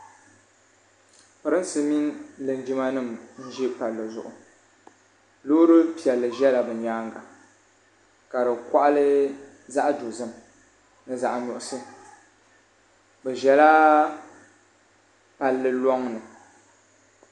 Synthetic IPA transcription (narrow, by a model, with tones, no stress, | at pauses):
pɨ˨ɾɨ˦n˦sɨ˦mi˦nlɨ˨nd͡ʒi˦ma˦nɨ˦˨mn̩˦ʒi˦pa˨lːɨ˨zʊ̰˨ʔʊ̰˨ | lo˦ɾɨ˦pi˨ɛ˨lːɨ˨ʒɛ˦la˨bɨ˨ɲaː˦ŋɡa˨ | ka˨ɾɨ˨ka˦ʔlɨ˦ | za˦ʔdo˨zɨ˦m | nɨ˦za˨ʔnʊ˨ʔʊ˦sɨ˦ | bɛ˨ʒɛ˨la˦ | pa˨lːɨ˨lɔ˦ŋnɨ˨